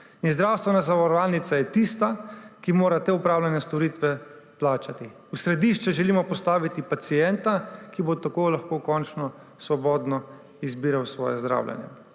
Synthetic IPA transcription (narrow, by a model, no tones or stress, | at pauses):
inzd̪ɾaːwst̪ʋɛnazaʋɔɾɔʋalnit̪sajɛt̪ist̪akimoːɾat̪eːupɾaːwlʲanjɛst̪ɔɾiːt̪ʋɛ | plaːt͡ʃat̪i | usɾɛd̪iːʃt͡ʃɛʒɛliːmɔpɔst̪aːʋit̪ipat̪sijɛnt̪akibot̪akolaxkoːkɔnt͡ʃnɔ | sʋɔbɔːd̪nɔ | izbiːɾawsʋɔ̰ːjɛzd̪ɾa̰ːwljɛ̰njɛ̰